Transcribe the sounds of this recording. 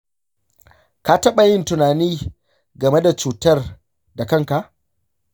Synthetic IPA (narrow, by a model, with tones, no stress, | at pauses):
ka˨tɐ˦ɓa˨jɪ˦ntʊ˨naː˨niː˦ | ɡɐ˨me˦da˨t͡ʃuː˨tɐ˦r | da˨kɐ˦ŋka˨ʔ